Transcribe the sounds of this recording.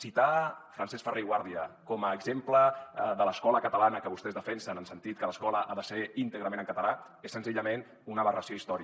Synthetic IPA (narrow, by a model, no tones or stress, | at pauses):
sit̪afɾansɛsfərejɣwaɾðiəkɔməːɡzempləðələskɔləkət̪əlanəkəβust̪ɛzðəfɛnsənənsənt̪it̪̚kələskɔləʔaðəseint̪əɣɾəmenəŋkət̪əla | esənziʎəmen | unəβərəsioist̪ɔɾi